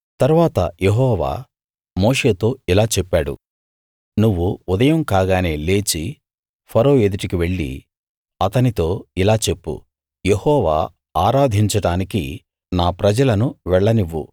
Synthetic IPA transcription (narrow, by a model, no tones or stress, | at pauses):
t̪ɐɾʋaːt̪ɐ̰je̞ɦɔːʋa̰ː | mo̞ːʂe̞ːt̪o̞ːilaːt͡ʃɛpːaːɽṵ | nuʋːuːd̪ɐjɐmkaːɡaːne̞ːle̞ːt͡ʃi | pʰɐɾoːed̪uʈikiʋe̞ɭːḭ | ɐt̪ɐnit̪o̞ːilaːt͡ʃe̞pːṵ | je̞hɔːʋa̰ː | aːɾaːd̪ʱiɲt͡ʃɐɽaːniki | naːpɾɐd͡ʒɐlɐnuʋɛɭːɐniʋːṵ